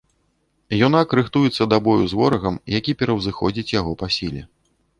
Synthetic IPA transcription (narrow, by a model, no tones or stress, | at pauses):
jɔnakɾɨxt̪ujɛt̪sːɐd̪abɔjuzvɔɾɐɣɐmjakʲipʲɛɾɐwzɨxɔ̰d͡zʲit͡sʲjaɣɔpasʲilʲɛ